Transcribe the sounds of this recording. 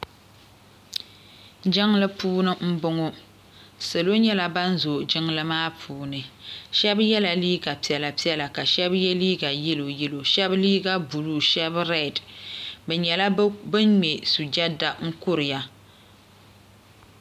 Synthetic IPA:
d͡ʒɪ˦ŋlɨ˦puː˦nɨ˦m̩˦bʊ˦ŋɔ˦ | sɨ˨lo˦ɲɛ˦la˨ba˦n̩˦zo˨d͡ʒɪ˦ŋlɨ˦maː˦pʰuː˦nɨ˨ʃɛ˦bjɛ˦la˨liː˦ɡa˨pi˦ɛ˨la˨pi˦ɛ˦la˨ka˨ʃɛ˦bjɛ˦liː˦ɡa˨jɪ˦lo˨jɪ˦lo˨ʃɛ˦bliː˦ɡa˦bu˨lu˦ʃɛ˦bɾɛ˨dbɛ˨ɲɛ˨la˦bɨ˦nɲɛ˨su˨d͡ʒa˦da˨ŋ̩˦kʊ˦ɾɨ˨ja˨

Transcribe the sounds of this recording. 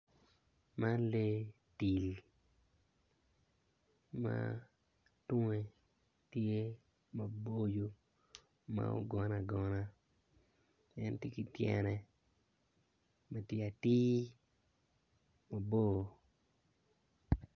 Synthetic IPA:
ma˦nle˦ | ti˨l | ma̰ | tʊ˦ŋe˨ | tje˦ | ma˨bo˦jo˦ | ma̰˦o̰˨ɡɔ˨na˨ɡɔ˨na˦ | ɛ˦nte˦ki˦tjɛ̰˨nɛ˨ | ma˨tje˦a˨ti˦ | ma˨bo˦˨

